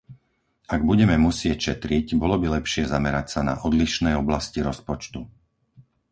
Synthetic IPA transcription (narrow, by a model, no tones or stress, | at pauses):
aɡbuɟɛmɛmusɪɛcʃɛt̪ɾiɟbɔlɔbilɛpʃɪɛzamɛɾacsana̰ʔɔd̪liʃnɛjɔblasciɾɔspɔt͡ʃt̪u